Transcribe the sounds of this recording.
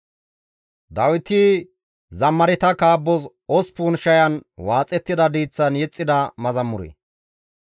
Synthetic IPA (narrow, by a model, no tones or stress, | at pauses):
d̪ɐwɪt̪i | zɐmːɐɾɪt̪ɐkaːbːɔz | ɔspuːnʃɐjɐnwaːt͡sʼɛt̪ːɪd̪ɐd̪iːt͡sːɐnjɛt͡sʼːɪd̪ɐmɐzɐmːʊɾḛː